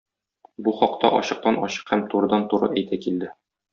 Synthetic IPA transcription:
buχɒq̚t̪ɑ̰ʔɒɕɤ̆q̚t̪ɑnɒɕɤ̥qhæmt̪uɾɤ̆d̪ɑnt̪uɾɤ̰ʔæjt̪ækild̪ɘ

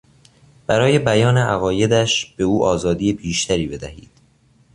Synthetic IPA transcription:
b̥æɾɒːje̞bæjɒːneʔæɣɒːje̞d̪æʃb̥e̞uːʔɒːzɒːd̪iːjebiːʃt̪ʰæɾiːbe̞d̪æhḭːd̪̥

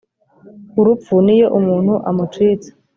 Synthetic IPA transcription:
uɾup̪funijoʔumuːn̥huʔamutwiːt͡sḁ

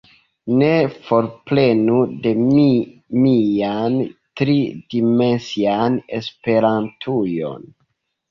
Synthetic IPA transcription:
ne̞fo̞ɾple̞nude̞mimiantɾidime̞nsiane̞spe̞ɾantʰujo̞̰n

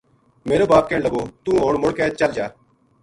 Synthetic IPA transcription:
meːɾoːbaːp̚keːɳləɡoːt̪ũːɦoːɳmʊɽkɛːt͡ʃəld͡ʒaː

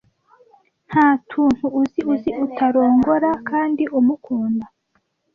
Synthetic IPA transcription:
n̥haːtʰuːn̥huːziʔuziʔutʰaɾo̞ːŋɡoɾakaːndiʔumukʰuːnda

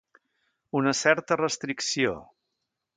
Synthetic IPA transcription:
unəsɛɾt̪ərəst̪ɾiksio̰

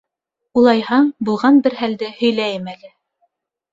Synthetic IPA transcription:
ulˠɑjhɑɴbulˠʁɑnbɘɾɦæld̪ɘhɵ̆jlæjɘmælɘ

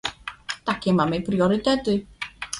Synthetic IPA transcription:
d̥akʰimamejpʰriɔɾɨdɛdɨ

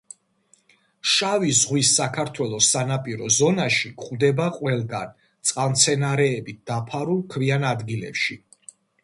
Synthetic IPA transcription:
ʃavizʁwisːakʰaɾt̪ʰwɛlˠɔsːanapʼiɾɔzɔnaʃikʼχud̪ɛbaqʼwɛlˠɡan | t̪sʼqʼant̪sʰɛnaɾɛːbit̪̚d̪̥apʰaɾulˠkʰvianad̪ɡilɛ̰pʃi

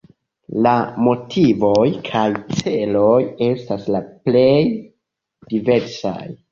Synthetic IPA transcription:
lamo̞tʰivo̞jkʰajt͡se̞lo̞je̞staslaple̞j | d̥ive̞ɾsa̰j

